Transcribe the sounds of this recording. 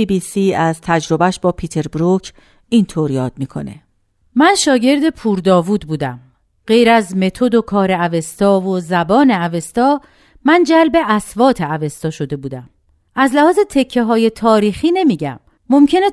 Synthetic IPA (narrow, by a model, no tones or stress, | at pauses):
bibiːsiːæzt̪ʰæd͡ʒɾo̞bæʃbɒːpʰiːt̪ʰe̞ɾbɾucʰ | ʔint̪ʰoɾjɒːd̪̥̚miːkʰo̞̰nḛ | mænʃɒːɟe̞ɾd̪e̞pʰuːɾd̪ɒːvuːd̪̚buːd̪æ̰m | ɢ̥e̞jɾæzme̞t̪ʰo̞d̪o̞kʰɒːɾeæve̞st̪ɒːvozæbɒːneæve̞st̪ɒː | mænd͡ʒælbe̞ʔæsvɒːt̪ʰe̞æve̞st̪ɒːʃo̞d̪e̞buːd̪æm | ʔæzlæhɒːzet̪ʰe̞cʰːeɦɒːje̞t̪ʰɒːɾiːxiːne̞miːɟæ̰mː | o̞mcʰe̞ne